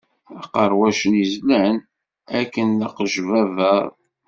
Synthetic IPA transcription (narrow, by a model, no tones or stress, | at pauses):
æqəɾˤwæʃənizlən | ækːənləqʒvævəɾˤ